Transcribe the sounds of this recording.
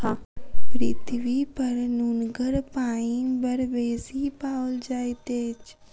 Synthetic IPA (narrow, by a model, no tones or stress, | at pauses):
apɾɪt̪ʰʋipəɾnuːnɡəɾpaːibəɾʋeːsipaːld͡ʒaːjt̪eːt͡ʃ